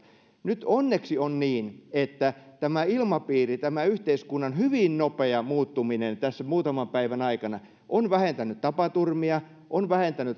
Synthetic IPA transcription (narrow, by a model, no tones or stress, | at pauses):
nyt̪onːeksionniːnet̪ːæt̪æmæilmɑpiːrit̪æmæyht̪eiskunːɑnhyʋinnopeɑmuːt̪ːuminent̪æsːæmuːt̪ɑmɑmpæiʋænɑikɑnɑ | ʔonʋæhent̪ænˑyt̪t̪ɑpɑt̪urmiɑ | ʔonʋæhent̪ænyt̪